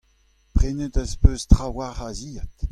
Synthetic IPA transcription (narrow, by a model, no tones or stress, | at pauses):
pʁenət̪əspøːstχawaʁaziːat̪